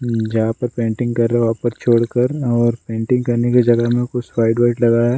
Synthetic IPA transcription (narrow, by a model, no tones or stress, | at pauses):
d͡ʒɐɦãpɐɾpẽːɳʈɪ̃ŋɡkɐɾːeʋapɐst͡ʃʰoːɽkɐɾɔːɾpẽːɳʈɪ̃ŋɡ̚kɐɾnekid͡ʒɐɡəɦmẽkʊt͡ʃwaːɪɖʋaːɪʈlɐɡaɛː